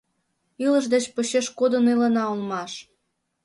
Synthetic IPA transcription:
iləʃd̪et͡ɕpoɕeʃkod̪ənilə̆nɑulmɑʃ

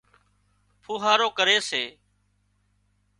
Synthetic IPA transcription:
pʰuːɦaːɾoːkəɾeːseː

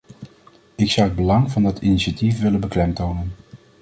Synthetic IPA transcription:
ɪksʌwəd̚bəlɑŋvɑndɑtiniʃatifʋɪlənbəklɛmtownən

